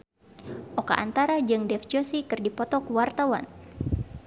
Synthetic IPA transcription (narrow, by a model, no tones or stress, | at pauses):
ʔɔka̰ʔant̪aɾad͡ʒɨŋdɛfd͡ʒɔsikɨrdipɔt̪ɔkuwart̪awa̰n